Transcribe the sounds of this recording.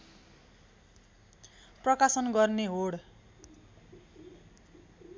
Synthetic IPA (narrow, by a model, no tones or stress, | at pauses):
prʌkasʌnɡʌrneɦoɽ